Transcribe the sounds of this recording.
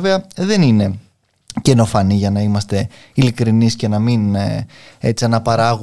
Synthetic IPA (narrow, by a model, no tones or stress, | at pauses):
ve̞ɐðe̞nine̞ | ce̞no̞fɐniʝɐnɐimɐst̪e̞ | ilikɾinisce̞nɐmin | e̞t͡siɐnɐpɐɾɐɣ